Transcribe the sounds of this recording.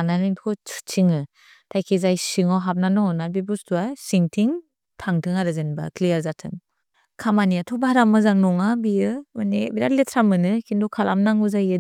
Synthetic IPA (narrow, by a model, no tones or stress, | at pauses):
analinpʰkʰɔt͡ʃʰu̥t͡ʃʰiŋɯ | tʰajkʰizajsiŋɔwɦap̚nanɔɔnabibustʰuasiŋtʰiŋ | tʰaŋtʰɯŋaɾɯzenba̰klijaɾzatʰɯŋ | kʰamaniatʰɔbahaɾamɯzaŋnɔŋabijɯɯnebiɾaletʰɾamɯnɯkʰindɔkʰalʔa̰mnaŋuzajɯ